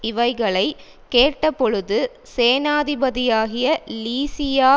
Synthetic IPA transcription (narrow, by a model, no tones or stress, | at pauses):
ɪʋɐɪɣɐɭɐɪ | keːʈːɐpːɔɻɯðɯ | seːnaːðɪbɐðɪjaːɣɪjɐliːsɪjaː